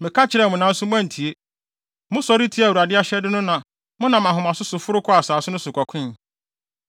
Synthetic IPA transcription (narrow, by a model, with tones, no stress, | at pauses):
mɪ̃˨kʰa˦t͡ɕʰɪ˨ɾɛ˨mʊ̃˨nã˨˦n̩˦sʊ˦mʊ̃˦ã˦n̩˨tʰi˨e˦ | mʊ̃˦sɔ˦ɾi˦tʰi˦æ˨wu˨ɾa˨dɪ˦a˦ɕɛ˦dɪ˦nʊ̃˦nã˨ | mʊ̃˦nã˨mã˨ɦʊ̃˨mã˨sʊ˦sʊ˨fʊ˦ɾʊ˦kʰɔ˦a˨saː˨sʊ˦nʊ̃˦sʊ˨kʷʰɔ˨kʷʰɪ̃˦˨